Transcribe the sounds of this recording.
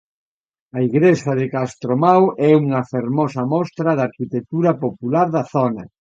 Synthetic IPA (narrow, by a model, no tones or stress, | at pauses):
ɐiɣɾesɐðekast̪ɾomawʔɛuŋɐfeɾmɔsɐmɔst̪ɾɐðaɾkit̪ek̚t̪uɾɐpopulaɾðɐθɔnɐ